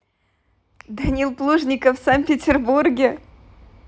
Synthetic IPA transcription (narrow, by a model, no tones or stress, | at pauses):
d̪ɐnʲilˠplˠuʐnʲɪkəfsanpʲɪtʲɪrburɡʲɪ